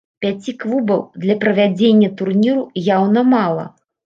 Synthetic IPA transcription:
pʲat͡sʲikvubɐwd̪lʲɐpɾɐvʲad͡zʲenʲːɐt̪urnʲiɾujawnɐmalˠɐ̰

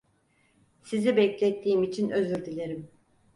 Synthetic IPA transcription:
sizibɛclʲɛt̪ʰːiːmit͡ʃʰinøzyɾd̪ilʲeɾim

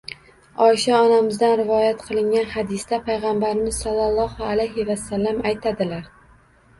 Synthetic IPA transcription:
ɒɪʃaɒnamɪzd̪anɾɪvɒjat̪qʰɨlˠɪŋɡʲanhɑd̪ɪstd̪apʰajʁambaɾɪmɪz̥sɒlˠːalˠːɒhalajɦɪvasːalːamajt̪ʰad̪ɪlaɾ

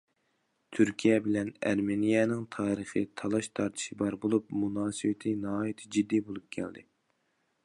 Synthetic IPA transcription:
t̪ʰyɾkʲʰijɛbɪlɛnæ̰ɾmenijɛnɪŋt̪ʰɑːɾəχɨt̪ʰɑlˠɑʃt̪ʰɑɾt̪ʰɨ̥ʃɪbɑɾbolˠupmunɑːsɨwɪt̪ʰɪnɑɦɑːjit̪ʰɪd͡ʒid̪ːijbolˠup̚kʲʰɛ̰ld̪ɪ̰

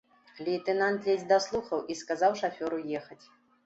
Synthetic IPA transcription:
lʲit̪ɛnant̪lʲɛzʲd̪aslˠuxɐwʔiskazawʂafʲɔɾujɛxɐt͡sʲ

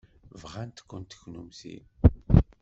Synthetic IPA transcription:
vʁænt̪kʷːənt̪ə̥çnumsḭn

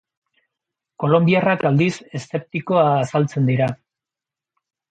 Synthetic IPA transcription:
ko̞lo̞mbiarakald̪ise̞se̞p̚t̪iko̞aːsalt͡se̞nd̪iɾa

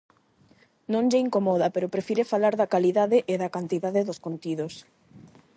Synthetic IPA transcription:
nõŋʎɪiŋkomɔðapeɾʊpɾefiɾefalaɾðɐkaliðaðeʔeðakant̪iðaðeðoskont̪iðos

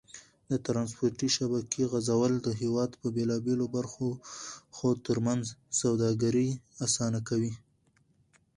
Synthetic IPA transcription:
d̪ət̪ɾɑns̬poɾʈiʃabakʰeɣazawəld̪əɦewɑd̪pəbelɑbelobaɾxoxot̪əɾmanzsawd̪ɑɡaɾiasɑnakawi

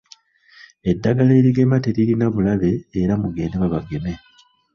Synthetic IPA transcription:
e̞dːaɡale̞ːɾiɡe̞mate̞ɾiɾinaβulaβe̞ːɾamuɡe̞ːndeβaβaɡe̞me̞

